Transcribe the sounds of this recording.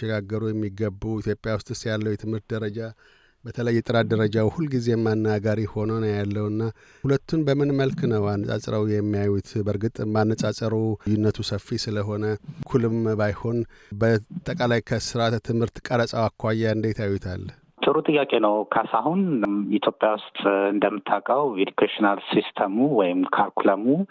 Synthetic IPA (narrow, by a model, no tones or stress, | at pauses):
ʃɛɡaɡːəɾujɛmːiɡəbːuit̪ʰjo̞pʼːjawʊst̪ʼɨst̪jalːəwjɛt̪ʰɨmhɨɾt̪̚d̪əɾəd͡ʒa | bət̪ʰələjːɛt̪ʼɨɾad̪əɾəd͡ʒawhulːɡize̞manːaɡaɾiho̞nənjalːəwɨnːa | hulət̪ːunbəmɨnməlknəwanːət͡sʼa̰t͡sʼɾawjɛmːijajut̪ʰbəɾɡɨt̪ʼmanːəsʼat͡ʃʼəɾujːɪnːət̪ʰusəfːisɨləɦo̞nəkʰulɨmbajho̞n | bət̪ʼːəkʼalajkʰəsɨɾat̪t̪ʰɨmhɨɾt̪kʼəɾət͡sʼawakʰːʷajːaɨnd̪et̪ʰajːut̪ʰal | t̪ʰʼɨɾut̪ʼɨjːakʼenəwkʰasahunit̪ʰjo̞pʼjawʊst̪ʼɨnd̪əmːɨt̪ʰːakʼəwed̪ukʰeʃinalsist̪ʰəmuwɔjɪmkʰaɾkʰulamu